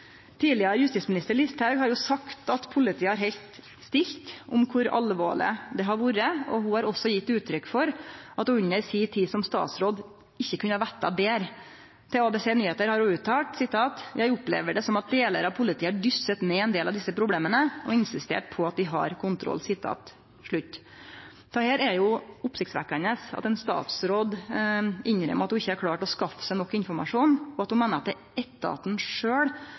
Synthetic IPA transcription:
t̪ʰiːlɪɑɾəjʉst̪iːtsmɪnɪst̪əɭɪst̪ʰæɡhɑɾjʊsɑkt̪ɑt̪pʰʊlɪt̪ʰiːəhɑɾɦɛlt̪ | st̪ɪlt̪ʔʊmkʰʊɾɑ̰lʋo̰ːɭɪ̰əd̪ɛɦɑɾʋuːɾəɔhʊhɑɾɔsɔjɪt̪ːʉːt̪ʰːɾʏkːfɔɾʔɑt̪ʉɲːəɾsiːt̪ʰiːsɔmst̪ɑ̰ːt̪sɾoːd̪ | ɪçːəkʰʉnəhɑɾʋæʈ̪ːɑ̰beːɾ | t̪ʰɛɑːbeːseːnyːheːt̪əɾhɑɾuʉt̪ʰːɑːlʈsɪt̪ʰɑːt̪jæɪʊplḛːʋəɖɛsɔmɑt̪̚d̪eːləɾɑpʰʊlɪt̪ʰiːəɖʏsːət̪neːɛnd̪eːlɑʋd̪ɪsːəpʰɾʊbleːmənəɔɪnsɪst̪ḛːʈ̚pʰɔɑt̪̚d̪ɪɦɑ̰ɾkʰʊnt̪ʰɾɔ̰lːsɪt̪ʰːɑ̰ːt̪ | ʂɭʉt̪ː | t̪ɔheːɾæɛjʊʊpsɪkt̪sʋæ̰kːəɳəsɑ̰t̪ɛnst̪ɑ̰ːt̪sɾoːd̪ | ɪɲɾɛ̰mɑt̪dʊɪçːəæɾkʰɽɑːʈɔskɑfə̥sæɪnɔkːɪnfɔɾmɑ̰ʂuːnɔɑt̪̚hʊmɛːnəɾɑt̪̚d̪ɛ | ɛt̪ːɑ̰ːt̪n̩ʂøːɽ

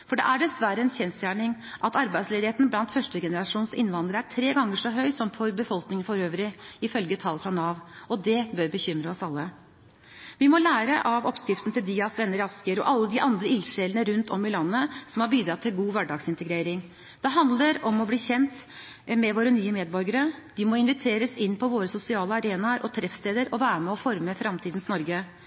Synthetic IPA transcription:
fɔɖɛ̰ʔæɖɛsʋæɾəɛnçɛnst̪jæːɳɪŋ | ʔɑt̪ɑɾbæɪsleːd̪ɪheːt̪n̩blɑnt̪fœʂʈəɡɛnəɾɑʂuːnsɪ̰nːʋɑnd̪əɾəæʈʰɾeːɡɑŋːəʂɔɦœʏsɔmfɔɾbəfɔlknɪŋəfɔɾøːʋɾɪɪfœlɡət̪ʰɑlfɾɑnɑːʋɔd̪ɛbøɾbəçʏmɾəɔsɑlːə | ʋɪmɔlæːɾəʔɑʋɔpskɾɪft̪nt̪ɪld̪iːɑsʋɛnːəɾɑskəɾɔ̰ʔɑlːəd̪ɪʔɑnd̪ɾəɪlʂɛlənəɾʉnt̪ʰɔmːɪlɑnːəsɔmhɑɾbiːd̪ɾɑt̪ʰːɪlɡuːʋæɖɑːɡsɪnt̪əɡɾeːɾɪŋ | d̪̥ɛɦɑnd̪ləɾɔmɔbliːçɛnt̪ | mɛʋoːɾənyːəmeːd̪̚bɔɾɡəɾəd̪̥ɪmɔɪnʋɪt̪ʰeːɾəsɪnːpʰɔʋoːɾəsʊsɪɑːləɑɾeːnɑɾʔɔt̪ʰɾɛfst̪eːd̪əɾɔʋæːɾəmɛɔfɔɾməfɾɑmt̪ʰiːd̪nsnɔɾɡə

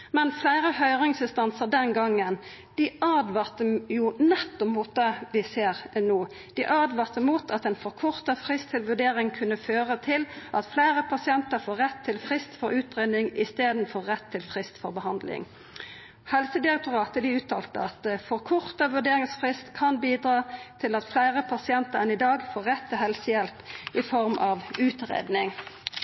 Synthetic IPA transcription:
mɛnflæɪɾəhœʏʁɪŋsɪnst̪ɑnsəʁd̪ɛnɡɑŋːən | d̪̥ɪɑd̪ʋɑːʁt̪əjʊnɛt̪ːɔpmuːt̪̚d̪eʋɪseːʁnuː | d̪̥ɪʔɑːd̪ʋɑʁt̪əmuːt̪ʰɑt̪ɛnfɔʁkʰʊʁt̪əfʁɪst̪ʰɪlʋʉɖeːɾɪŋkʰʉnːəføːʁət̪ʰɪlʔɑt̪flæɪʁəpʰɑsɪɛnt̪əɾfoːʁːɛt̪ʰːɪlfʁɪst̪fɔɾʉːt̪ʁeːnɪŋɪst̪eːd̪n̩fɔɾːɛt̪ʰːɪlfʁɪst̪fɔʁbəhɑnd̪lɪ̰ŋ | hɛlsəd̪ɪʁɛk̚t̪ʊʁɑːt̪əd̪ɪʉːt̪ʰɑːlt̪əɑt̪fɔʁkʰʊʁt̪əʋʉɖ̪eːʁɪŋsfʁɪst̪kʰɑnbiːd̪ʁɑːt̪ʰɪlɑt̪flæɪʁəpʰɑsɪɛnt̪əʁɛnɪd̪ɑːɡfoːʁɛt̪ʰːɪlhɛlsəjɛlpʔɪfɔʁmʔɑʋʉːt̪ʁḛːd̪nɪŋ

